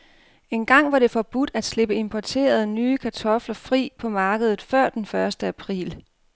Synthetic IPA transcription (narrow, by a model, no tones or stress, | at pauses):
e̝nɡ̥ɑ̈ŋ̰ʋɑ̈ɾ̥e̝fɒ̽b̥ud̥æd̥sle̝b̥əe̝mpʰɒt͡sʰe̝̰ːɐð̞ˠnyːkʰæt͡sʰɒ̽flɐfʁḭːpʰɒ̽mɑ̈ːɡ̥əð̞ˠð̩ˠfɶɐ̰d̥enfɶɐsd̥əæpʰʁḭːl